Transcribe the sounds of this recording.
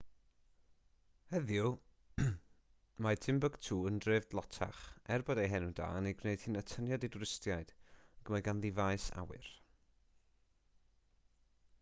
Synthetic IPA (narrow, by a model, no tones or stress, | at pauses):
hɛðjʊ | madʰɪmbəɡ̥tʰuːəndrevdlˠɔtʰa̰χɛrbɔdejɦɛnuda̰ːneɡneɨd̥hiːnətʰənjɔdedɾɪstjaɨd̥aɡ̥əmaɡanðivajsa̰wɨ̰r